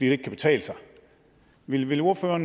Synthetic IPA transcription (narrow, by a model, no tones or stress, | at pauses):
ḭːde̝ɡ̥kʰːæb̥e̝̥t͡sʰɛ̰ːləsɑ̈ɪ | ʋe̝lʋe̝lo̝ɐføːɐn